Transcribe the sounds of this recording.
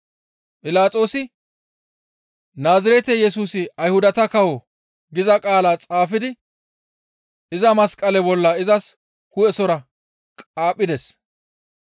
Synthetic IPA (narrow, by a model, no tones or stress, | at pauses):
pʼɪlaːt͡sʼo̞ːsɪ | naːzɪɾɛt̪ɛjɛsuːsɪɐjhʊd̪ɐt̪ɐkɐwɔ | ɡɪzɐkʼaːlaːt͡sʼaːfɪd̪ɪ | ɪzɐmɐskʼɐlɛbɔlːɐɪzɐs | hʊɛsɔɾɐ | kʼaːpʼːɪd̪ɛs